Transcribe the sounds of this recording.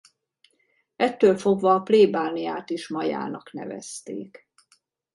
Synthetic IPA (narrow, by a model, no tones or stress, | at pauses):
ɛt̪ːøːlfo̞ɡʋɒːpleːbaːnijaːt̪iʃmɒja̰ːnɒknɛ̰vɛ̰st̪ḛːk